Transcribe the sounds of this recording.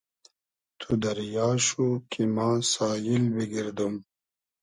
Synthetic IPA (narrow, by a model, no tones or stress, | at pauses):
t̪ʰud̪ɐɾjɑːʃukʰimãsaːjilbiɡiɾd̪um